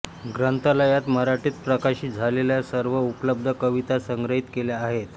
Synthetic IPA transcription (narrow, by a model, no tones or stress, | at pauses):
ɡɾənt̪aləjat̪məɾaʈiːt̪pɾəkaɕiːd͡zʱaleljasəɾʋəupləb̚d̪ʱəkəʋit̪asəŋɡɾəɦit̪keljaːɦet̪